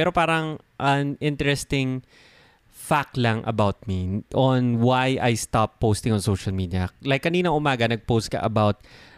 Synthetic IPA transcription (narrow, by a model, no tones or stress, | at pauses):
pɛɾopaːɾɐŋ | ʔɐnɪnt̪ɛɹɛst̪ɪŋ | fak̚lɐŋʔɐ̰bawt̪̚miʔonwajʔajst̪apːost̪ɪ̃ŋɔnsowʃɐlmiːd̪iɐlajkːɐniːnɐŋʔʊmaːɡɐnɐɡ̚post̪̚kɐ̰ʔɐbawt̪̚